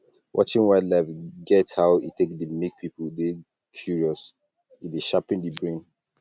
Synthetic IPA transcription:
wʔɔ̰t͡ʃĩnwaɪdlafɡɛthaʊitekdimik̚pʰipəlde | kʰjuɹiɔs | ideʃapĩndibɹẽn

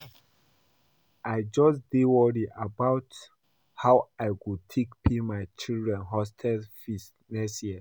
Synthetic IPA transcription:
ajd͡ʒɔsdiwɔɹiʔabaʊt | hawajkud̚tʰekpʰimajt͡ʃildɹɛ̃nɦɔstʰɛlfis | nɛsjɛ

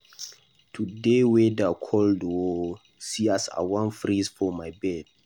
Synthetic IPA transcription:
tʰudewedakʰɔldo | siasa̰wãnfɹizfɔmajbɛd̥̚

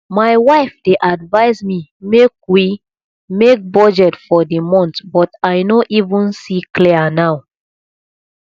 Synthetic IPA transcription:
majwaɪfdeʔadvaɪzmimek̚wi | mek̚bɔd͡ʒɛtfɔdimɔ̃ntbɔtajnoʔivũnsiklianaw

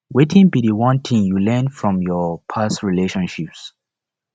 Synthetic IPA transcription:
wetĩŋbidiwɔ̃ntʰĩŋjulɛ̃nfɹɔ̃mjɔpʰasɹileʃɔ̃nʃips

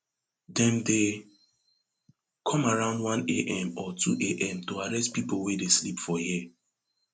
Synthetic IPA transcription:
dɛ̃nde | kʰɔ̃maɹãʊ̃ndwãneʔɛ̃mɔtʰṵʔeʔɛ̃mtoaɹɛstpipowedeslipfɔji

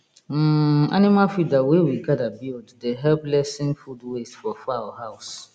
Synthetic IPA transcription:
m̩a̰nĩmãfidawewiɡadabilddɛɦɛlplɛsɪ̃nfudwesfɔfawɔhaʊs

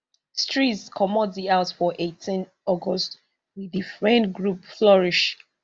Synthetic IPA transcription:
stɹitskʰɔmɔtdiaʊtfɔʔetʰĩn | ɔɡɔst | wiðifɹɛ̃nɡɹupflɔɹiʃ

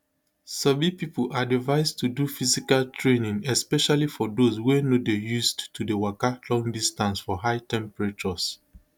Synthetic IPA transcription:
sɔbipipolʔadivaɪstudufizikaltʰɹenĩŋɛspɛʃalifɔdozwenodejuzdtudewakalɔ̃ŋdistãnsfɔɦaɪtɛ̃mpɹat͡ʃɔs

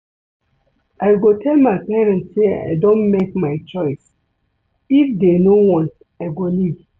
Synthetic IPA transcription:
ʔaɪɡotʰɛlmaɪpɛɹɛ̃ntsea̰ɪdõnmekmaɪt͡ʃɔɪs | ifdenowɔ̃n | aɪɡoliv

